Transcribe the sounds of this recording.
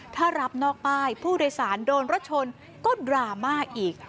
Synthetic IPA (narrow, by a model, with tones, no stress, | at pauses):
t̪ʰaː˥˩ɾa˦˥p̚nɔː˥˩k̚paː˥˩jpʰuː˥˩doː˧jsaː˩˦ndoː˧nɾo˦˥t̪̚t͡ɕʰo˧n | kɔː˥˩ɾaː˧maː˥˩k̚ʔiː˨˩k̚